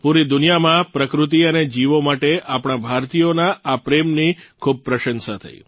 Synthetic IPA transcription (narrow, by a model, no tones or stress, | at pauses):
puɾid̪unijamãpɾəkɾut̪̬iəned͡ʒiʋomaʈeʔapɽ̃abʱaɾt̪ijonaapɾemnikʰub̚pɾəʃənsat̪ʰə̰ḭ